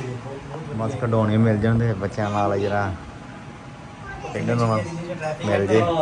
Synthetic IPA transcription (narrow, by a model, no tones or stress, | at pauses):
məskɖoːneːmɪld͡ʒãːnd̪eːbətːʃãːnaːld͡ʒəɾãː | pɪɳənoãmɪld͡ʒeː